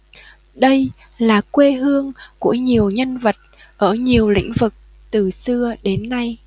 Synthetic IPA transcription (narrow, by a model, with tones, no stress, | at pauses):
ɗə˧j | laː˨˩kwe˧ɦɨ˧əŋku˧˩əɲi˨˩əwɲə˧nvə˨˩t̚ | ʔəː˧˩ɲi˨˩əwlḭ˧˥ŋ̟vɨ˨˩k̚ | t̪ɨ˨˩sɨ˧əɗe˨˦nːa˧j